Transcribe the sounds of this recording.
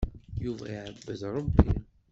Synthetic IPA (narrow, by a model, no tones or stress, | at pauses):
juvæ̰iʕəbːəðɾˤəbːi